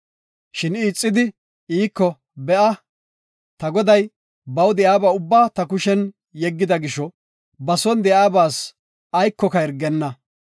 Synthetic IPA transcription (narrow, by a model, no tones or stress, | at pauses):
ʃɪniːt͡sʼːɪd̪ɪ | iːkːɔ | bɛʔɐ | t̪ɐɡɔd̪ɐj | bɐwd̪ɛaːbɐʊbːaːt̪ɐkʊʃɛn | jɛɡːɪd̪ɐɡɪʃɔ | bɐsɔnd̪ɛaːbaːs | ɐjkːɔkɐɛɾɡɛnːɐ